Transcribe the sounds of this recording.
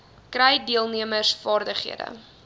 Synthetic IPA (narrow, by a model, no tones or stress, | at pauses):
krɛjdiəlˠniəməsfɑːrdəχḭədə̰